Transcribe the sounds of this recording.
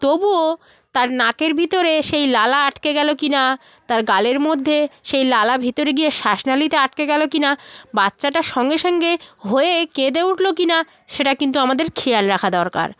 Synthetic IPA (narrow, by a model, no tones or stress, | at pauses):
t̪obuo | t̪aɾnakeɾbʱit̪oɾeʃejlalaaʈkeɡɛlokina | t̪aɾɡaleɾmod̪ʱːeʃejlalabʱit̪oɾeɡijeʃaʃnalit̪eaʈ̚keɡɛlokinabatːɕaʈaʃɔŋɡeʃɔŋɡeɦoeked̪euʈʰlokina | ʃeʈakint̪uamad̪eɾkʰijaɽɾakʰad̪ɔɾka̰ɾ